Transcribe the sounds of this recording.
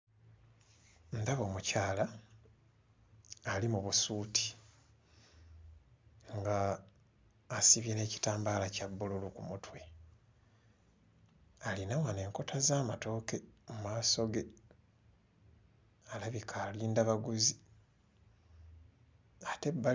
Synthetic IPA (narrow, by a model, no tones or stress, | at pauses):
ndaβo̞ːmucaːla | alimuβusuːtʰi̥ | ŋɡa | siβjene̞ːci̥taːmbaːlacabːululukumutwe | alinawane̞ŋko̞tʰazaːmato̞ːke̞mumaːso̞ɡe̞ | alaβikʰaːliːndaβaɡuzi | ate̞bːa